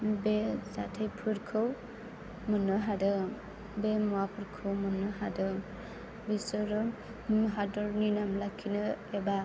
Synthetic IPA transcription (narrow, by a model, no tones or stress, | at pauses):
besa̰tʰajpʰɯɾkʰɯw | mɯnɯɦadɯ | bemɔwapʰɯɾkʰɯwmɯnːɯɦadɯ | bisɯɾɯ | ɦadɔɾninamlakʰːinɯeba